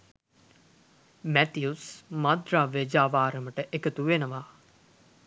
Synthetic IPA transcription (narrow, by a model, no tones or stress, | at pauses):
mæt̪iusmad̪ɾaːʋed͡ʒaːʋaːɾəməʈəʔekət̪uʋenəʋaː